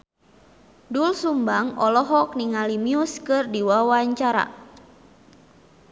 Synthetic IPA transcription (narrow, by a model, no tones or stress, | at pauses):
dulsumbaŋɔlɔɦɔk̚niŋalimiuskɨrdiwawaɲt͡ʃaɾa̰